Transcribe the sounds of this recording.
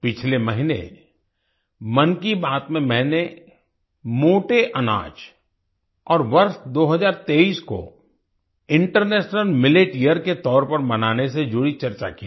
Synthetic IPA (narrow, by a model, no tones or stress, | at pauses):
pɪt͡ʃʰlemɐɦɪnḛ | mɐnkibaːt̪mẽmɛ̃ːne | moːʈeʔɐna̰ːd͡ʒ | ɔːɾʋɐɾʃd̪oːɦəzaːɾt̪eːiːsko̰ | ɪ̃ɳʈəɾneːʃnəlmɪleːʈijəɾket̪ɔːɾpɐɾmɐnaːnesed͡ʒʊɽit͡ʃɐɾt͡ʃa̰kia